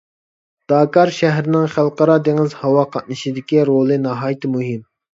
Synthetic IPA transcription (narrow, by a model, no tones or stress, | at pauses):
d̪̥ɑːkɑɾʃɛɦɾɪnɪŋχælˠqəɾɑd̪eŋɪzhɑwɑqʰɑt̪̚nɨʃid̪ɪkʲiɾolˠɨnɑɦɑːjt̪ʰɪmuɦim